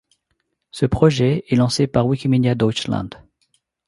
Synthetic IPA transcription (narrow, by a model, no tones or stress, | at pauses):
səpχɔʒɛɛlɑ̃sepaʁwikʲimid̪jad̪ɔt͡ʃlã̰d̪